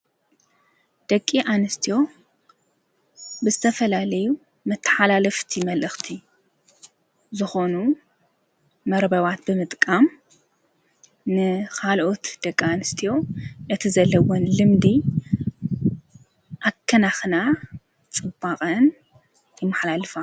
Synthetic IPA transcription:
d̪̥ɐkʼːiʔanɨst̪ʰijo̞ | bɨzɨt̪ʰɐfɐlalɐju | mɨt̪ʰːɨ̥ħalalɐft̪ʰimɐlʔɨxt̪ʰi | zɨxo̞nu | mɐɾbɐβat̪bɨmɨt̪ʼkʼam | nɨkʰalʔo̞t̪d̪̥ɐkʼːianɨst̪ʰijo̞ʔɨt̪ʰizɐlːɐwonlɨmd̪i | ʔakʰːɐnaxna | t͡sʼɨbaqʼɐn | jɪmːɐħlalɨfa

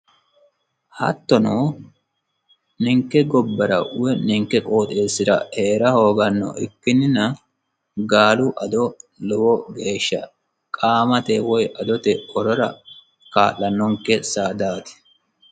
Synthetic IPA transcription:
hɐ̰t̪ːɔnoː | nɪŋkːɛɡɔbːɐɾɐ̰ʔʊwɛnɪŋkːɛkʼo̞ːt̪ʼeːsːɪɾɐ̰heːɾɐho̞ːɡɐnːɔ̰ʔɪkːɪnːɪnɐ | ɡaːlʊʔɐd̪ɔlɔwɔɡe̞ːʃːɐ̰ | kʼaːmɐt̪ɛwɔjʔɐd̪ɔt̪ɛɔɾɔɾɐ̰ | kaːlːɐnːɔŋkɛsaːd̪aːt̪ɪ̥

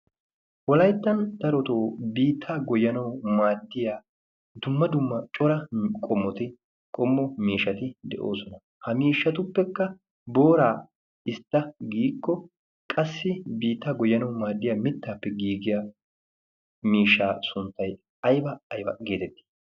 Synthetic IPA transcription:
wɔlɐjt̪ːɐnd̪̥ɐɾɔt̪oːbiːt̪ʰːaːɡɔjːɐnɐwmaːd̪ːɪjaː | d̪ʊmːɐd̪ʊmːɐt͡ʃʼɔɾɐkʼɔmːɔt̪ɪ | kʼɔmːɔmiːʃɐt̪ɪd̪ɛ̰ʔo̰ːsɔnɐ | hɐmiːʃːɐt̪ʊpːɛkːɐ | bo̞ːɾaː | ɪst̪ːɐɡiːkːɔ | kʼɐsːɪbiːt̪ːaːɡɔjːɐnɐwmaːd̪ːɪjaːmɪt̪ːaːpːɛɡiːɡɪja | miːʃːaːsʊnt̪ːɐj | ɐjbɐːjbɐ̰ɡe̞ːt̪ɛt̪ːi̥

